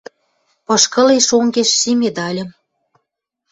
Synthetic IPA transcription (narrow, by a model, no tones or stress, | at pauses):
pɤ̆ʃkə̆leʃoŋɡeʃsimʲed̪ɑlʲə̆m